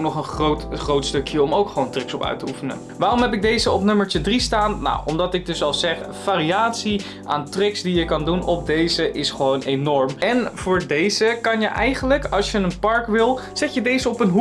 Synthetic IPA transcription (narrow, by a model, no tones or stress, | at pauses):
nɔχənrotχowtstɵkjəɔmowkχəʋowntrɪksɔpœ̰ɥtəufənə̰ | ʋaːrɔmɦɛpɪɡ̚dejzəɔpnɵməɹtədristaːnːa̰wɔmdɑtɪɡ̚dɵsɑlˠz̥ɛχ | v̥aːriaːtsi | ʔa̰ːntrɪksdijəkɑndunʔɔp̚dejzəʔɪsχəʋownejnɔɹmɛnv̥ʊːɹdejz̥əkɑnjəʔɛjχənləkɑlˠsjənənpɑɹkʋɪlˠz̥ɛtjədejzəɔpənɦu